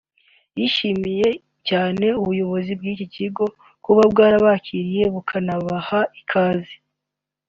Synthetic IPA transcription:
jiʃimije̞ | caːne̞uβujo̞βo̞zibɡiːciciɡo̞ | kuβabɡaːɾaβaciɾije̞βukʰanaβahaikʰaːzi

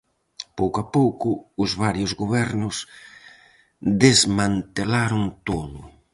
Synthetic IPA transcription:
powkoapowkʊːzβaɾjʊzɣoβɛɾnʊs | d̪ezmãnt̪elaɾʊŋt̪oðʊ

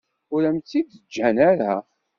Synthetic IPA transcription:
ʊɾæmt̪ːid̪əd͡ʒːænæɾæ̰

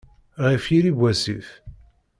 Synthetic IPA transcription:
ʁifjiɾibʷæsiθ

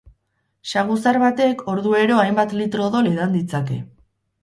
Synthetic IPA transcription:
ʃaɣusaɾβat̪e̞kʰo̞ɾðue̞ɾo̞ajmbat̪lit̪ɾo̞ðo̞leðand̪it͡sake̞̰

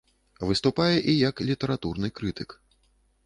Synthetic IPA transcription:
vɨst̪upajɛʔijɐklʲit̪ɛɾat̪urnɨkɾɨt̪ɨk

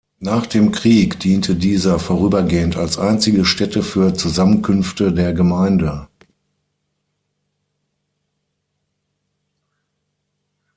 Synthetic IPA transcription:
naːχd̥eːmkʁ̥iːkd̥iːntʰədiːzɐfoːʁyːbɐɡeːəntalsʔaɪnt͡sɪɡəʃtɛtəfyːɐt͡suzamənkʰʏnftədeːɐɡəmaɪndə

